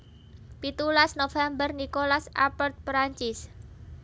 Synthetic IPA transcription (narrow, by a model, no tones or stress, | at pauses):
pit̪ulasnofɛmbərnikolasʔa̰pərt̪̚pɾaɲt͡ʃɪs